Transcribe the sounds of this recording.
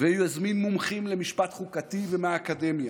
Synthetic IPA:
veajuazminːumχimlemiʃpat̪χukat̪ivemeaːkad̪emja

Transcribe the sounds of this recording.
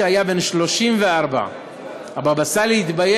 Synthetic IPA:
eajabe̞nʃlo̞ʃimveaʁba̰ | ababasaleit̪baje

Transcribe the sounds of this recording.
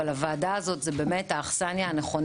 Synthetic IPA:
alavaːdaːzo̞tzebe̞ːmethaːχsanjaːneχo̞n

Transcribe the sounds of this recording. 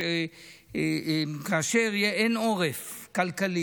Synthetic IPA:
kaaʃeʁjeʔenoʁefkalkali

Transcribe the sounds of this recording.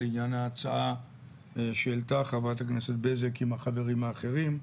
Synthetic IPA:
iɲanaːt͡saa | ʃeelt̪aχavat̪akneset̪̚bezekimaχave̞ʁimaːχe̞ʁim

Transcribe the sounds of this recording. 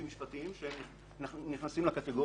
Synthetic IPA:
imiʃpat̪iimʃeemn | niχnasimlekat̪eɡo

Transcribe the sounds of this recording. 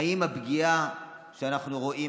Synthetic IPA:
imabɡia | ʃeanaχnuʁoʔi

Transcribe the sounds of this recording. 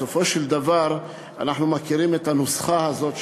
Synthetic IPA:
ofo̞ʃeld̪avaʁ | anaħnumakiʁimet̪hanusχahazo̞t̪

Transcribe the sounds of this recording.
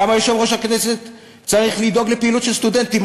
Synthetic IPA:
amajoʃevʁo̞ʃhakneset̪ | t͡saʁiχlid̪o̞ɡlepeilut̪ʃelst̪ud̪ent̪im

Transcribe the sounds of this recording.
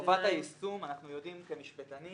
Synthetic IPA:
ovat̪aisumanaχnujo̞dimkemiʃbet̪ani

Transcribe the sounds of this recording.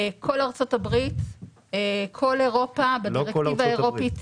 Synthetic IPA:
kʰo̞laʁt͡so̞tabʁit | ekʰo̞leʁo̞pabeaʁeivaeʁopi

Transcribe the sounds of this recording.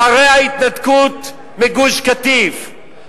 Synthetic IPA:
aʁejhait̪nat̪kut̪ | meɡuʃkat̪iv

